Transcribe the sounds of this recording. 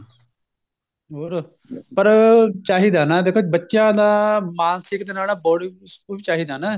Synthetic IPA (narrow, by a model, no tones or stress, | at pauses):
ɦoːɾ | pəɾt͡ʃaːɦiːd̪aːnaːd̪eːkʰoːt͡ʃbətːʃjãːd̪aːmaːnsɪkd̪eːnaːlaːbɔːɽ | it͡ʃaːɦiːd̪aːnaː